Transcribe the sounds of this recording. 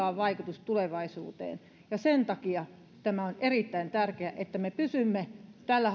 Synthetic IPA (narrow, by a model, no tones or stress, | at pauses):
ɑːʋʋɑikut̪ust̪uleʋɑisṵːt̪ḛːn | jɑsent̪ɑkiɑ | t̪æmæonerit̪ːæint̪ærkeæʔet̪ːæmepysymːet̪ælːæ